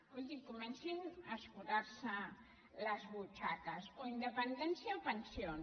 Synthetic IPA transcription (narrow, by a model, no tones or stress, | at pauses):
polʲd̪ikumensinaskuðaɾsa | lazβut͡ʃakasoind̪epend̪ensjaopensjon